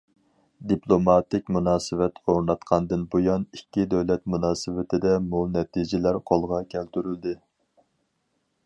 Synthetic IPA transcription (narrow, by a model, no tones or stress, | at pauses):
d̪iplˠomɑt̪ɪkʲmunɑːsɨvɛt̪oɾnɑt̪qʰɑnd̪ɨnbojɑnikʲːid̪ɛwlɛt̪munɑːsɨvɪt̪ʰɪd̪ɛmunɛt̪ʰid͡ʒɪlæɾqʰolˠʁɑkʲʰælt̪yɾyld̪ɪ